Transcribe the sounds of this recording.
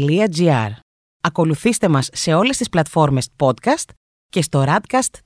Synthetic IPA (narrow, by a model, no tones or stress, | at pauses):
liɐziɐ̰ɾ | ɐko̞luθist̪e̞mɐsːe̞o̞le̞st̪isplɐt̪fo̞ɾme̞spo̞t̪kɐst̪ | ce̞st̪o̞ɾɐd̪kɐst̪